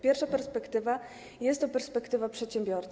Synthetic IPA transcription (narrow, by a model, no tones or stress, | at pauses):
pʲjɛɾfʂapɛɾspɛkt̪ɘva | jɛst̪ːɔpɛɾspɛkt̪ɘvapʂɛt̪ɕɛmbʲjɔɾt̪